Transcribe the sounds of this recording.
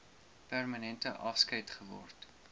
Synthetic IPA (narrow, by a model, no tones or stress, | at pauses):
pærmɐnɛntəʔɐfskɐjtχəvɔ̰rt